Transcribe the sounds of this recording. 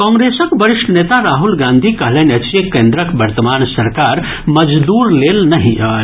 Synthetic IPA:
kɔ̃ːŋɡɾeːsəkbəɾɪʃʈʰəneːt̪aɾaːɦulɡãːnd̪ʱikɐɦlenɐt͡ʃekeːnd̪ɾəkbɐɾt̪əmaːnsɐɾkaːɾ | mɐd͡ʒd̪uːɾleːlnɐɦĩaː

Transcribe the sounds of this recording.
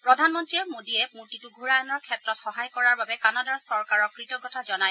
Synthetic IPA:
pɹɔdʱanmɔntɹiɛmodiɛpuɹtituɡʱuɹajɔnɔɹkʰɛtɹɔtxɔɦajkɔɹaɹbabɛkanadaɹsɔɹkaɹɔkɹitɔɡɔtʰazɔnaj

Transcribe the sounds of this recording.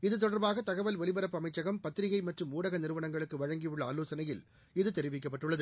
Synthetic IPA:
ɪðɯt̪̬ɔɽɐɾbaːɣɐt̪ɐɣɐʋɐlʋɛlɪbɐɾɐpːɯɐmɐɪt͡ʃːɐɣɐmpɐt̪ːɪɾɪɣɐɪmɐʈrɯmuːɽɐɣɐnɪɾɯʋɐnɐŋɡɐɭɯkːɯʋɐɻɐŋɡijɯɭːɐaːloːsɐnɐjɪl | ɪðɯt̪ɛɾɪʋɪk̬ːɐpːɐʈːɯɭːɐðɯ

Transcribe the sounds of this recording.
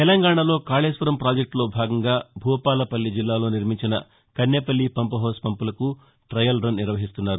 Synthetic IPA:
t̪ɛlɐŋɡaːɳɐlo̞ːkaːɭeːsʋɐɾɐmpɾaːd͡ʒek̚ʈlo̞ːbʱaːɡɐŋɡaːbʱuːɐpaːlɐpɐlːid͡ʒilːaːlo̞ːniɾmiɲt͡ʃinɐ | kɐnːeːpɐlːipɐmpɐɦoːspɐmpulɐku | ʈɾɐjɐlɾɐnniɾʋɐɦist̪unːaːɾu

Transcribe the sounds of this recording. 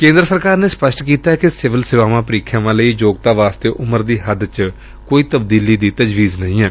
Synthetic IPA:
kẽːnd̪ɾəsəɾkaːɾneːspəʃʈkiːt̪aɛkɪsɪʋəlsɪʋaːʋãːpəɾiːkʰjãːʋãːləiːd͡ʒoːɡ̚t̪aːʋaːst̪eːʔʊməɾd̪iːɦəd̪t͡ʃ | koːiːt̪əb̚d̪iːliːd̪iːt̪əd͡ʒʋiːznəɦĩːɛː

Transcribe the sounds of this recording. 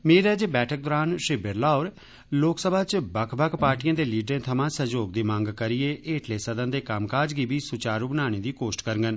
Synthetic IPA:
meːɾɛːd͡ʒeːbɛːʈʰək̚d̪ɔːɾaːnʃɪbəɾlaːoːɾ | loːksəbʱaːt͡ʃbəkʰbəkʰpaːɾʈijãːd̪eːliːɖɾẽːt̪ʰəmãːsəd͡ʒoːɡ̚d̪iːmãːŋɡkəɾɪjeːʔeːʈʰleːsəd̪ə̃nd̪eːkəmkaːd͡ʒɡiːbiːsʊt͡ʃaːɾubənaːɽ̃eːd̪iːkoːsʈkəɾŋɡən

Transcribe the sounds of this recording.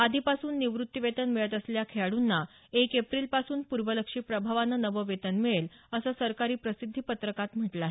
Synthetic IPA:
ad̪ʱipasuːnːiʋɾut̪ːiʋet̪ənmiɭət̪əsljakʰeɭaɽunːa | ekepɾiːlpasuːnpuɾʋələkʂiːpɾəbʱaʋanːənəʋəʋet̪ənmiɭeləsəːsəɾkaɾiːpɾəsid̪ʱːiːpət̪ɾəkat̪m̤əʈlae

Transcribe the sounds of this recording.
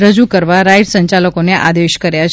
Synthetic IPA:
ɾəd͡ʒukəɾʋaɾaiɖsəɲt͡ʃaləkoneʔad̪eʃkəɾjat͡ʃʰ

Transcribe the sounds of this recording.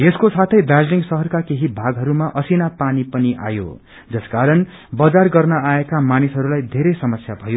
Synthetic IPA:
eskosat̪ʰʌjd̪ad͡zliŋɡsʌɦʌrkakeɦibʱaɡɦʌɾumaʔʌsinapanipʌniʔa̰jo̰ | d͡zʌskaɾʌn | bʌd͡zarɡʌrnʌaekamanisɦʌɾulajd̪ʱeɾʌjsʌmʌsjabʱʌjo

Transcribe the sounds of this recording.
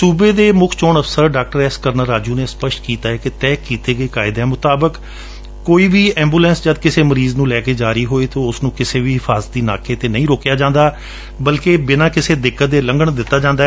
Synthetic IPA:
suːbeːd̪eːmʊkʰt͡ʃoːɳəfʰsəɾɖaːk̚ʈəɾɛːskəɾnəɾːaːd͡ʒuːneːspəʃʈ̪kiːt̪aːɦɛːkɪt̪ɛːkːiːt̪eːɡəiːkaːɪd̪ɛːmʊt̪aːbəkː | oːiːʋiːɛ̃ːmbuːlɛ̃ːnsd͡ʒəd̪̚kɪseːməɾiːznũːlɛːkeːd͡ʒaːɾiːɦoːeːt̪oːʊsnũːkɪseːʋiːɪfʰaːzət̪̚d̪iːnaːkeːt̪eːnəĩːɾoːkjaːd͡ʒãːnd̪aː | bəlkeːbɪnãːkɪseːd̪ɪkːət̪̚d̪eːlə̃ŋɡəɳd̪ɪt̪ːaːd͡ʒãːnd̪aɛ

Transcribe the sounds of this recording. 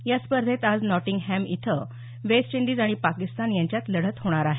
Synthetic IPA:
jaspəɾd̪ʱet̪ad͡znɔʈĩŋɡɦæmḭt̪ʰə | ʋest͡ɕiɳɖiːd͡zaɽ̃ipakist̪anjãɲt͡ɕjat̪ləɽ̤ət̪ɦoɽ̃aɾaɦe

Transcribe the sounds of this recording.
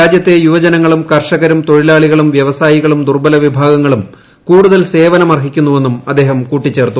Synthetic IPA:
ɾaːd͡ʑjɐt̪ːe̞juʋɐd͡ʑɐnɐŋːɐɭumkɐrʂɐɣɐɾumt̪o̞ɻilaːɭiɣɐɭumʋjɐʋɐsaːjiɣɐɭumd̪urbɐlɐʋibʱaːɡɐŋːɐɭum | kuːɽuðɐlse̞ːʋɐnɐmɐrɦikʲːunːuʋe̞nːumɐd̪ːe̞ːɦɐmkuːʈːit͡ɕːe̞ːrt̪ːu

